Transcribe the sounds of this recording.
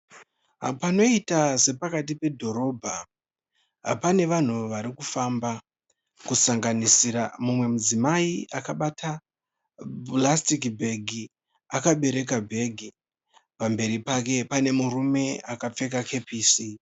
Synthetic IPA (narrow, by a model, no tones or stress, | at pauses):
ɦapano̞itase̞pakatipe̞dʱo̞ɾo̞bʱa | ɦa̰pane̞ʋan̤uʋaɾikufamba | kusaŋɡanisiɾamumwe̞mud͡zimaiakaɓata | blastikbʱe̞ɡʱi | akaɓe̞ɾe̞k̬abʱe̞ɡʱi | pambe̞ɾipake̞pane̞murume̞akap͡fe̞k̬akʰe̞piːsi